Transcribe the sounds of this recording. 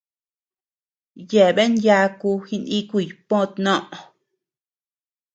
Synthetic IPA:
je˨βe˦nja˧ku˧xi˧nĩ˦ku˦˧˨jpõ˦˧t̪nõ˦ʔo˧˨

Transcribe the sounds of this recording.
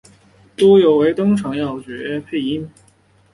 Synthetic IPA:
t̪u˥jo˨˩ʊwe˧˥ɪt̪ʊ˥ŋʈ͡ʂʰɑ˧˥ŋjɑ˥˩ʊt͡ɕɥɛ˧˨˥ɛ˥pʰe˥˩ɪi˥n

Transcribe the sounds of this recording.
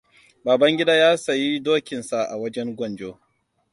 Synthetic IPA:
baː˨bɐ˦ŋɡʲɪ˦daː˦jaː˦sɐ˨ji˦doː˦kʲɪ˨nsa˨ʔa˨wɐ˦d͡ʒɛ˦ŋɡʷɔ˦˨nd͡ʒoː˦

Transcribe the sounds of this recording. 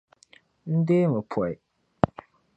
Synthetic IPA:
n̩˦de˦mɨ˨pʰɔ˨j

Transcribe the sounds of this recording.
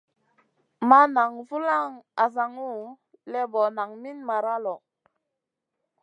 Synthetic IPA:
ma˦na˨ŋvu˦la˦ŋa˨za˨ŋu˦˨ | lɛ˦bɔ˨na˨ŋmi˦nma˨ɾa˦lɔ˨

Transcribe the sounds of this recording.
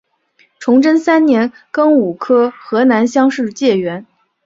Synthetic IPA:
ʈ͡ʂʰʊ˧˥ŋʈ͡ʂə˥nsa˥nnjɛ˧˥n | kɤ˥ŋu˨˩kʰɤ˥xɤ˧˥na˧˥nɕjɑ˥ŋʂɻ̩˥˧t͡ɕjɛ˥˩ɥɛ˧˥n

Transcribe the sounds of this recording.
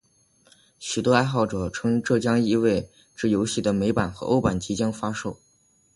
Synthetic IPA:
ɕy˨˩t̪wɔ˥a˥ɪxɑ˥˩ʊʈ͡ʂɤ˨˩ʈ͡ʂʰɤ˥ŋʈ͡ʂɤ˥˩t͡ɕjɑ˥ŋi˥˧we˥˧ɪ | ʈ͡ʂɻ̩˥˩jo˧˥ʊɕi˥˩d̪ə˩me˧˥ɪpa˨˩nxɤ˧˥ʔo˥ʊpa˨˩nt͡ɕʰi˧˥t͡ɕjɛ˥nfa˥ʂo˥˩ʊ

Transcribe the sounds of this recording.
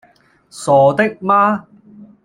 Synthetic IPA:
sɔː˨˧t̪ɪ˥k̚maː˥

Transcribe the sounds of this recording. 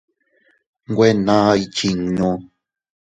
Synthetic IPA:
ŋ˦ɡwe˦nã˦˧i˦t͡ʃi˨ŋnũ˧˦

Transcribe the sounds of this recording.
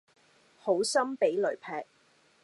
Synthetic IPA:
ho˨˥wsɐ˥mpe˨˥jlɵ˨˩ɥpʰɛː˧k̚

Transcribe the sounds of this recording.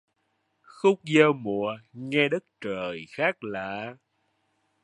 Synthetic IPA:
xʊ˦˥k͡p̚zəː˧wmṵ˧˨əŋɛ˧ɗə˦˥t̚t͡ɕəː˨˩jxaː˦˥k̚laː˨˩

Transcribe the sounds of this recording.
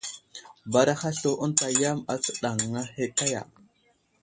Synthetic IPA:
ba˨ɾa˦xa˦ɬo˨ʔu˦nta˨ja˦ma˨t͡sə̥˦ɗa˨ŋːa˦he˦ka˦ja̰˨

